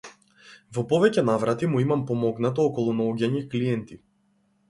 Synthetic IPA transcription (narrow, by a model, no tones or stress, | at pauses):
vɔpɔvɛcɛnavɾat̪imuimampɔmɔɡnat̪ɔɔkɔlˠunaɔɡʲaɲikliɛnt̪i